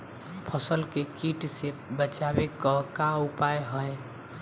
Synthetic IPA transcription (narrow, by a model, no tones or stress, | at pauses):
pʰəsəlkekiʈsebət͡ʃabekɔkaupajɦəj